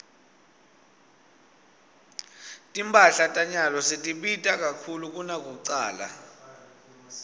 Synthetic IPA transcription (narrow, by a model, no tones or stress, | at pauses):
tʼimpʼaɬatʼaɲalɔsitʼiɓitʼak̬ʼakʰuluk̬ʼunak̬ʼouǀaːla̰